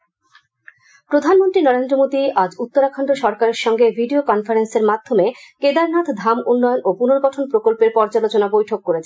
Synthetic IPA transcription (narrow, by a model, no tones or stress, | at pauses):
pɾod̪ʱanmont̪ɾinɔɾend̪ɾomod̪iad͡ʑut̪ːoɾakʰɔɳɖoʃɔɾkaɾeɾʃɔŋɡebʱiɖiokɔnfaɾenseɾmad̪ʱːomeked̪aɾnat̪ʰd̪ʱamunːɔjonopunoɾɡɔʈʰonpɾokolpeɾpɔɾd͡ʑalot͡ɕonabojʈʰokːoɾet͡ɕʰe